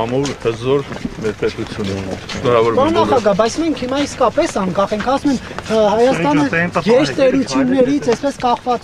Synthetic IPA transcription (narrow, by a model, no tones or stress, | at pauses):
ɑmuɾhəzɔɾmɛɾpɛt̪ut͡sʰjunɛnɔɾɑvɔɾpɑnɑχɑɡɑbɑjt͡sʰmɛŋkʰhimɑiskɑpɛsɑŋkɑχɛŋkʰɑsumɛm | hɑjɑst̪ɑnəjɛʃt̪ɛɾut͡sʰjunːɛɾit͡sʰɛspɛskɑχvɑt͡s